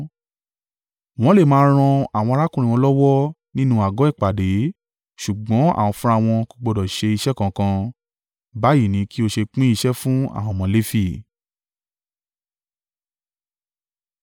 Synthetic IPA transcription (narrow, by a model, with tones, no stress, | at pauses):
w̃ɔ̃˦le˦˨mãː˧˦ɾ̃ɔ̃˧a˨wɔ̃˧ɾa˦kũ˦˨ɾĩ˧wɔ̃˧lɔ˦wɔ˦ | nĩ˦nũ˧a˨ɡɔ˨˦ɛ˦˨k͡pa˨de˨˦ | ʃu˨ɡ͡bɔ̃˨˦a̰˦˨w̃ɔ̃˧fũ˦ɾa˦˧w̃ɔ̃˧ku˧ɡ͡bɔ˧dɔ˨ʃe˧i˧ʃɛ˦˨kã˧kã˧ | ba˦ji˦˨nĩ˨˦ki˦o˧ʃe˧k͡pĩ˦i˧ʃɛ˦fũ˦a̰˦˨w̃ɔ̃˧mɔ̃˧˦le˦fi˦˨